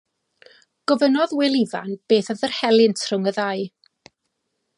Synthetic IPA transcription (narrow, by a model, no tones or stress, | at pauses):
ɡ̥ɔvənɔðwɪlˠiva̰nb̥eːθaðərhɛlˠɪntʰrʊŋəðaɨj